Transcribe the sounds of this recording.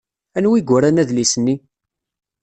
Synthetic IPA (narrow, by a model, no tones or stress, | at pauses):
ænwiɡʷæɾanæðlisənːi